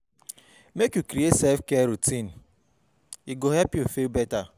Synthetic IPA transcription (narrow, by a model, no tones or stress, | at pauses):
mekjukɾiesefkeɾutĩn̩ | iɡoɦɛpjim̩febɛta